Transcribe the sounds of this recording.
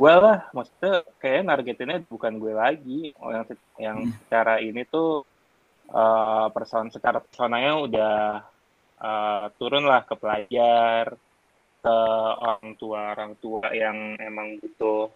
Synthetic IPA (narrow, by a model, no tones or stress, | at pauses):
ɡualahmaksi̥t̪ukajanarɡet̪ɪnɲadabukanɡuɛlaɡḭjaŋs | jaŋsə̥t͡ʃaɾainit̪u | ʔəpərsonsət͡ʃaɾapərsonaŋɲaudah | ʔət̪uɾʊnlahkəpəlaar | kəo̰ɾaŋt̪uaoɾaŋt̪uajaŋemaŋbut̪ʊh